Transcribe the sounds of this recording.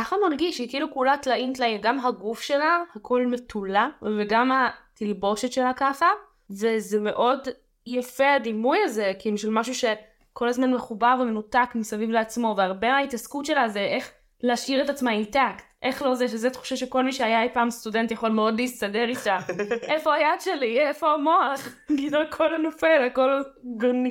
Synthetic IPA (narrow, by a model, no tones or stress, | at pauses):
kaχamaʁɡiʃikilukulatlaint̪lainɡamɦaɡufʃe̞lahakʰo̞lme̞tulaveɡamatilbo̞ʃetʃe̞lakaχa | vezeme̞ʔo̞d | jafead̪imujaze̞kimʃelmaʃuʃe̞ | ko̞lazmanmeχubavemenutakmisavivleat͡smo̞veaʁbemaːitaskutʃe̞lazeʔeχ | leːʃiʁetat͡smaintaktʔeχlo̞zeʃ̬ezetχu̥ʃaʃeko̞lmiʃeajaapaːmst̪ude̞nt̪jaχo̞lmeo̞dleist̪adeʁitaʔe̞fo̞ajadʃeliefo̞amo̞aχ | ɡinokʰo̞lanofe̞lako̞laɡoni